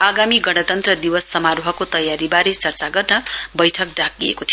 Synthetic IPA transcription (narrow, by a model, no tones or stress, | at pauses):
aɡamiɡʌɽ̃ʌt̪ʌnt̪rʌd̪iwʌsːʌmaɾoɦʌkot̪ʌjaɾibaɾet͡sʌrt͡saɡʌrnʌbʌjʈʰʌk̚ɖak̚iḛkot̪ʰij